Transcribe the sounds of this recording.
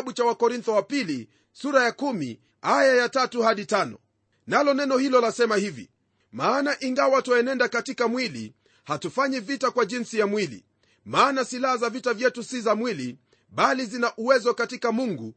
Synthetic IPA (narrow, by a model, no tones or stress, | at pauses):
ɓut͡ʃawakɔɾint̪ɔwapili | suɾajakumḭ | ajajatatuhaɗitanɔ̰ | nalɔnɛnɔhilɔlasɛmahivḭ | maːnaʔiŋɡawatɔɛnɛndakatikamwilḭ | hatufaɲivitakwaʄinsijamwilḭ | maːnasilahazavitavjɛtusizamwili | ɓalizinaʔuwɛzɔkatikamuŋɡu